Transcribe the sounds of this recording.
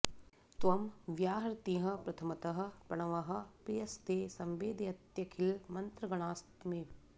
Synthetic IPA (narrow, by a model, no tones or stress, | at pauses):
t̪ʋɐmʋjaːɦɐɾt̪ĩːɦɐ̃̆pɾɐt̪ʰɐmɐt̪ɐɦɐ̆pɐɳɐʋɐɦɐ̆pijɐst̪eːsɐmʋeːd̪jɐt̪jɐkʰilmɐnt̪ɾɐɡɐɳaːst̪meː